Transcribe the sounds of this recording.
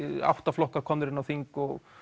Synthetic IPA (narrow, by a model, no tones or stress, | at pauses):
a̰wht̪aflɔhkakʰɔnɾɪnːawθiŋkɔɣ